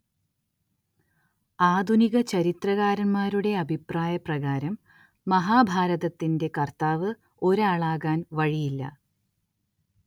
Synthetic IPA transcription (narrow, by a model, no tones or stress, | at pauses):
aːd̪ʱuniɣɐt͡ɕɐɾit̪rɐɣaːɾɐnmaːɾuɽe̞ɐbʱipraːjɐprɐɣaːɾɐmː | ɐɦaːbʱaːɾɐðɐt̪ːinde̞kɐrt̪aːʋɨ | o̞ɾaːɭaːɣaːnʋɐɻijilːɐ̰